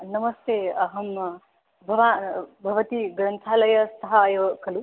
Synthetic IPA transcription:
nɐmɐst̪eɐɦɐm | bʱɐʋabʱɐʋɐt̪iɡɾɐnt̪ʰalɐjɐst̪ɐɦɐːjʋkʰɐlu

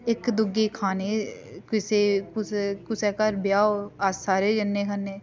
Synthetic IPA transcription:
ɪkd̪ʊɡeːkʰaːneːkɪseːkʊskʊsɛːkəɾbɪjaːoassaːɾeːd͡ʒənːeːkʰanːeː

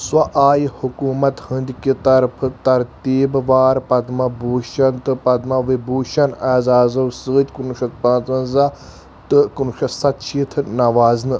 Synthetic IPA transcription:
swɐʔaːjhukuːmɐt̪hɨnd̪ʲkit̪ɐɾpʰt̪ɐɾt̪iːbʋaːɾpɐd̪mɐbuːʃɐnt̪ɨpɐd̪mɐʋibuːʃɐnɛːzaːzɐwsɨːt̪ʲkunuʃɐt̪̚pãːt̪ɐ̃nza | t̪ɨkunuʃɐsɐt̪t͡ʃʰit̪ʰnɐʋaːznɨ

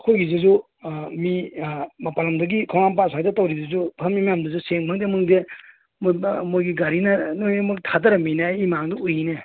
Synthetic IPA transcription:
ɐkʰojɡizezu | mimapalɐmdɐɡikʰawnanp̬asʰadetawɾidɐzupʰamimamdɐzuseŋbʰʱaŋdemɯŋde | mmojɡiɡaɾinɐnojemuktʰadɐɾɐminajimaŋduujine

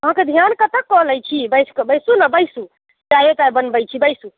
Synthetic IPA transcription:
əɦãked̪ʱijankət̪əkːɔɦləjt͡ʃʰibəjskebəjsunabəjsu | d͡ʒajet̪aibənbəjt͡ʃʰibəjsu

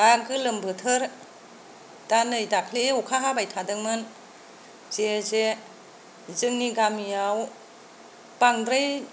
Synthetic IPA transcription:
aɡɯlɯmbɯtʰɯɾ | d̥anɯjdakʰleukʰaɦabajtʰadɯŋmɯn | zeze | zɯŋniɡamijaw | b̥aŋdɾej

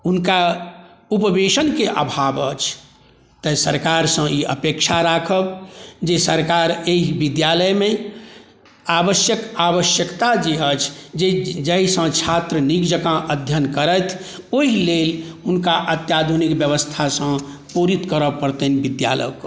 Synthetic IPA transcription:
unka | upəbeʃənkeʔəbʱabə̰t͡ʃʰ | t̪əsəɾkaɾsə̃iʔə̰pekʃʰaɾakʰəbd͡ʒesəɾkaɾeɦibid̪jaləjmẽ | abəsjəkaβəsjəkt̪ad͡ʒeət͡ʃʰd͡ʒed͡ʒəisə̃t͡ʃʰat̪ɾənikd͡ʒəkãʔəd̪ʱjənkəɾət̪ʰ | oɦilelunkaʔət̪jad̪ʱunikbjəβəst̪ʰasə̃ | puɾit̪kəɾəpəɾt̪ənbid̪ja̰lə̰k

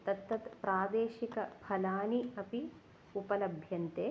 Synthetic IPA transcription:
t̪ɐt̪ːɐt̪pɾaːd̪eːʃikɐbʰʱɐlaːniɐpi | upɐlɐbʱjɐnt̪eː

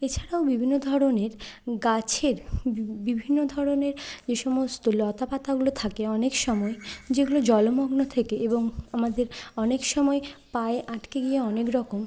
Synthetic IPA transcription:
et͡ɕʰaɾaobibʱinːod̪ʱɔɾoneɾɡat͡ɕʰeɾbibʱinːod̪ʱɔɾoneɾd͡ʑeʃɔmost̪olɔt̪apat̪aɡulot̪ʰakeɔnekʃɔmɔed͡ʑeɡulod͡ʑɔlomɔɡnot̪ʰekeeboŋamad̪eɾɔnekʃɔmɔepaeʔaʈkeɡieɔnekɾɔkom

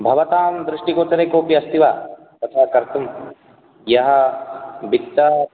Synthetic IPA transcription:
bʱɐʋɐt̪aːmd̪ɾɪʂʈikoːt͡ʃɐɾekoːpiɐst̪iʋa̰ː | pɐt̪ʰaːkɐɾt̪um | jɐɦɐ̆bit̪ːɐ

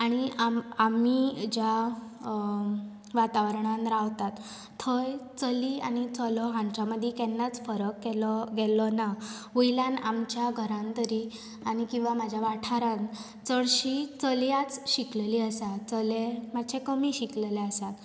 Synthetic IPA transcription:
aɽ̃iamamid͡ʑja | ʋat̪aʋəɾɳanɾaʋt̪at̪ʰː | ɔjt͡səliːa̰ɽ̃it͡sɔlɔɦãɲt͡ɕaməd̪ʱːɛkɛnːat͡sfəɾəkːɛlɔɡɛlɔna | ʋəjlãnamt͡ɕjaɡʱəɾãnt̪əɾi | aɽ̃ikĩw̃ʋamad͡ʑʱjaʋaʈʰaɾãn | t͡səɭɕit͡səljat͡sɕiklɛliːəsat͡səlemad̪ɕʰekəmiɕiklɛleəsat̪

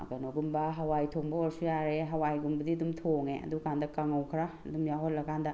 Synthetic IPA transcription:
ɡɐnoɡumbɐɦawajtʰoŋbɐɔɾsujaɾeɦɐwajɡumbɐdiɐdumtʰoŋeɐ̰dukʰandɐkaŋɐwkʰɾaɐdumjaɦot̚lɐkʰandɐ

